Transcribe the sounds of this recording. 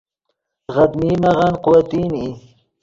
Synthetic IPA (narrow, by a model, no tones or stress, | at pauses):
ɣad̪miːmaʁanqʊwat̪iːni